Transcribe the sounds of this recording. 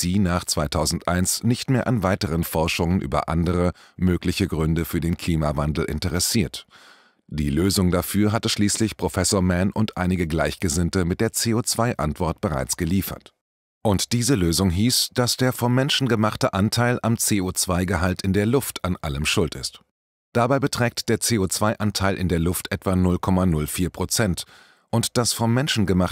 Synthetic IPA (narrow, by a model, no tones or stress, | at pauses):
z̥iːnaːχt͡sv̥aɪtʰaʊzn̩tʔa̰ɪnsnɪçtmeːɐʔanvaɪtəʁənfɔɐʃʊŋənʔy̰ːbɐ̰ʔa̰ndəʁ̞ə | møːklɪçəɡʁʏndəfyːɐdeːnkʰl̥iːmavandl̩ʔɪ̰ntəʁɛsiːɐt | d̥iːløːzʊŋdafyːɐɦatəʃliːslɪçpʁ̥ofɛsoːɐmɛnʔʊntʔa̰ɪnɪɡəɡlaɪçɡ̥əzɪntəmɪt̚d̥eːɐt͡seːoːt͡sv̥aɪʔa̰ntv̥ɔɐt̚b̥əʁa̰ɪt͡sɡ̥əliːfɐ̰t | ʔʊntd̥iːzəløːzʊŋɦiːsd̥asd̥eːɐfɔmːɛnʃn̩ɡəmaχtəʔantʰaɪlʔamt͡seːoːt͡sv̥aɪɡəɦaltɪndeːɐlʊftʰanʔa̰ləmʃʊltɪ̰st | d̥abaɪbətʁ̥ɛːk̚td̥eːɐt͡seːoːt͡sv̥aɪʔantʰaɪlʔɪ̰ndeːɐlʊftʔɛtv̥anʊlkʰɔmanʊlfiːɐpʁ̥ot͡sɛnt | ʔʊntd̥asfɔmːɛnʃn̩ɡəmaχ